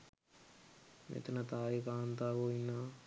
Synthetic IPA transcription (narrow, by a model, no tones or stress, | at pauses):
mḛt̪ɐnɐt̪aːjikaːnt̪aːkoinːa